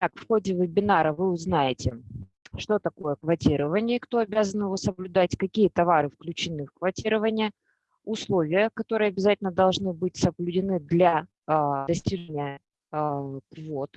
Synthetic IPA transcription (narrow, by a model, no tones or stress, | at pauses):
t̪akfxo̞dʲɪvɨbʲɪnaɾəvɨʊznajɪtʲɪ | ʂt̪o̞t̪ɐko̞jəkvɐtʲiɾəvənʲɪəkt̪o̞ɐbʲazənjɪvo̞səblʲʊd̪atʲkɐkʲijət̪ɐvaɾɨfklʲʉt͡ɕɪnɨfkvɐtʲiɾəvənʲɪjə | ʊslˠo̞vʲɪjəkɐt̪o̞ɾɨjəɐbʲɪzatʲɪlʲnəd̪ɐlˠʐnɨbɨt̚ʲsəblʲʉdʲɪnɨd̪lʲa | d̪ɐsʲtʲiʐenʲɪjə | kvot̪